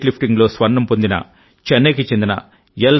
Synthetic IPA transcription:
ʈlipʰʈiŋɡlo̞ːsʋɐnnːɐmpond̪inɐ̰ | t͡ʃɐnːeːkit͡ʃend̪inɐ̰ | jɐl

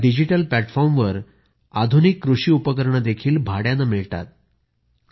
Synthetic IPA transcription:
ɖid͡ʑiʈəlplæʈfɔɾmʋəɾ | ad̪ʱunikːɾuʂiːupəkəɾɳəd̪ekʰiːlbʱaɽjanəmiɭt̪a̰t̪̚

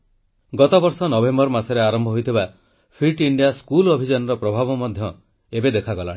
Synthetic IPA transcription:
ɡɔt̪ɔbɔɾsɔnɔbembɔɾmasɔɾeaɾɔmbʱɔɦojt̪ʰiba | pʰiʈiɳɖijaskulobʱid͡ʒanɔɾɔpɾɔbʱabɔmɔd̪ʱjɔ | ebed̪ekʰaɡɔla̰ɽ̃ĩ

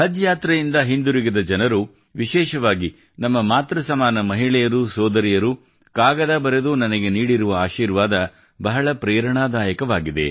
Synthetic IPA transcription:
hɐd͡ʒjaːt̪ɾɐjind̪ɐɦind̪uɾiɡɐd̪ɐd͡ʒɐnɐɾu | ʋiʃɛːʃɐʋaːɡi | nɐmːɐmaːt̪ɾɐsɐmaːnɐmɐɦiɭɛjɐɾusɔːd̪ɐɾijɐɾu | kaːɡɐd̪aːbɐɾed̪unɐnɐɡeniːɽiɾuʋɐaːʃiːɾʋaːd̪ɐ | bɐɦɐɭɐpɾɛːɾɐɳaːd̪aːjɐkɐʋaːɡid̪e̞̰

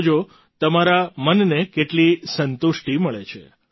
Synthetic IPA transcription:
d͡ʒo | t̪əmaɾamənːekeʈlisənt̪uʃʈiməɭet͡ʃʰḛ

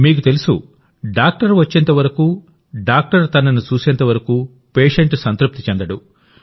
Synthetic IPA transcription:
miːk̬ut̪e̞lusṵ | ɖaːk̚ʈɐɾʋɐt͡ʃːent̪ɐʋɐɾɐkuː | ɖaːk̚ʈɐɾt̪ɐnɐnut͡ʃuːsɛnt̪ɐʋɐɾɐkuː | peːʂeɳʈsɐnt̪ɾup̚t̪it͡ʃɛnd̪ɐɽu

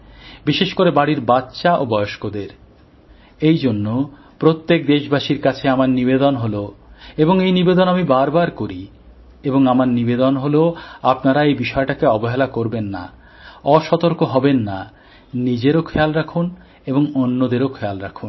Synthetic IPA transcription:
biʃeʃkoɾebaɽiɾbatːɕaʔobɔeoʃkod̪eɾ | ejd͡ʑonːo | pɾot̪ːek̚d̪eʃbʱaʃiɾkat͡ɕʰeamaɾnibed̪onɦoloeboŋejnibed̪onamibaɾbaɾkoɾi | eboŋamaɾnibed̪onɦoloapnaɾaejbiʃɔeʈakeɔboɦelakoɾbenːa̰ | ɔʃɔt̪oɾkoɦɔbenːa | nid͡ʑeɾokʰɛalɾakʰun | eboŋonːod̪eɾokʰɛalɾakʰun

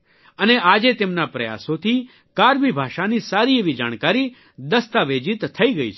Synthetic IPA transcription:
əneaːd͡ʒet̪eːmnapɾɐja̰ːsõt̪ʰi | kaːɾbibʱaːʃanisaːɾieʋid͡ʒa̰ːɽ̃kaːɾi | d̪əst̪aʋeːd͡ʒɪt̪ːʰɐiɡəḭt͡ʃʰ

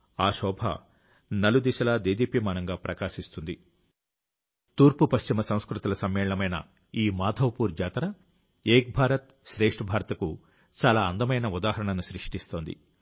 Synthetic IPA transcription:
aːʃɔːbʱɐ̰ | nɐlud̪iʃɐlɐd̪eːd̪iːpimaːnɐŋɡaːpɾʔɐkaːʃist̪und̪i | t̪uːɾpupɐʃt͡ʃimɐsɐ̃w̃skɾut̪ulɐsɐmːɛːɭɐɳɐmɐjnɐ̰ | iːmaːd̪ʰʱɐʋpuːɾd͡ʒaːt̪ɐɾɐ | eːk̚bʱaːɾɐt̪̚ | ʃɾeːʂʈɐbʱaːɾɐt̪ɐku | t͡ʃaːlaːɐnd̪ɐmɐjnɐud̪aːɦɐɾɐɳɐnuʃɾiʂʈist̪o̞ːnd̪ḭ

